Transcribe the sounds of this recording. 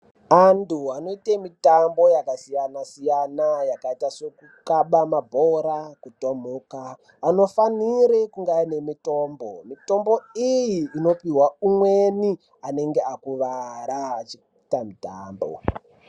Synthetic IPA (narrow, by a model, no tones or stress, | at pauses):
antʰuano̞itemitambo̞jakasijanasijanajakaitasekukaɓamabʱoɾakutom̤ukaː | no̞faniɾekuŋɡaine̞mito̞ːmbo̞mito̞mbo̞ijiːno̞piɦwaumweni | ane̞ŋɡeakuʋaɾaːt͡ʃi | itamitaːmbo̰